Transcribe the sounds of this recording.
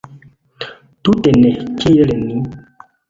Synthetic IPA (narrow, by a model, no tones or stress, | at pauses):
t̪utenɛkijelenĩ